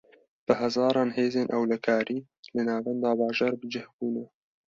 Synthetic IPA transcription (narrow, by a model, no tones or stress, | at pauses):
b̥ɨɦæzɑːɾˤɑːnheːzeːnʔɛwlɐkʰɑːɾiː | lɨnɑːvɛnd̪ɑːbɑːʒɑːɾbəd͡ʒɪhbuːnɛ